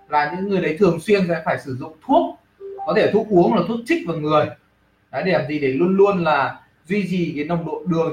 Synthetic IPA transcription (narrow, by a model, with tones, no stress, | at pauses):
laː˨˩ɲɨ̰˧˥ŋːɨ˨˩əjɗə˨˦jt̪ʰɨ˨˩əŋswi˧ənsɛ̰˧˥faː˧˩jsɨ˧˩zʊ̰˧˨ŋ͡mt̪ʰu˦˥ət̚ | kɔ˨˦t̪ʰe˧˩t̪ʰu˦˥k̚ʔu˨˦əŋaː˨˩t̪ʰu˦˥t̚t͡ɕï˦˥k̟̚vaː˨˩ŋɨ˨˩əj | ɗa˨˦ɗe˧˩laː˨˩zi˨˩ɗe˧˩lu˧ənlu˧ənlaː˨˩ | zwi˧t͡ɕi˨˩ka˨˦na˧wŋ͡mɗo̰˧˨ɗɨ˨˩əŋ